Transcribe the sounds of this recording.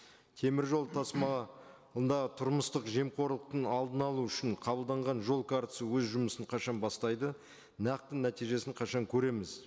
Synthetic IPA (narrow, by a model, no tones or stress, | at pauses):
t̪ʰe̞mɪɾʒo̞lˠt̪ʰɑsmɑ | ənd̪ɑʁət̪ʰʊɾməst̪əqʒe̞mqʰo̞ɾlˠəq̚t̪ənɑlˠd̪ənɑlˠuʏʃɪɴqʰɑbəlˠd̪ɑɴʁɑnʒo̞lˠkʰaɾt̪ə̥səwɵzʒʊməsəɴqʰɑʃɑnbɑst̪ɑjd̪ə | nɑq̚t̪ːənnːæt̪ijʒe̞sɪɴqʰɑʃɑŋkʲʰɵɾe̞mɪz